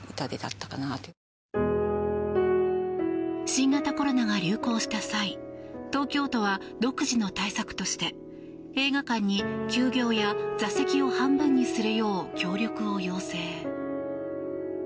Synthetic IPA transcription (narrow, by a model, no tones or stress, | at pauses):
ɯt̪ad̪ed̪a̰t̪ːḁkanat̪ | ɕĩŋɡat̪ako̞ɾo̞naɡaɾʲɨːko̞ːɕi̥t̪asait̪o̞ːkʲo̞ːt̪o̞β̞a | d̪o̞kɯ̟ʑino̞t̪aisakɯ̥t̪o̞ɕi̥t̪e̞ | e̞ːɡakãɲ̟ːikʲɨːɡʲo̞ːjazase̞kʲio̞hãmbɯ̟̃ɲ̟ːisɨɾɯjo̞ːkʲo̞ːɾʲo̞kɯ̟o̞jo̞ːse̞ː